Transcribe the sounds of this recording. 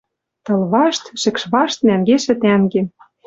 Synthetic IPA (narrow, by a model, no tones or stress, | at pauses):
t̪ɤ̆lβɑʃt̪ʃɘ̆kʃβɑʃt̪̚næŋɡeʃɘ̆t̪æŋɡen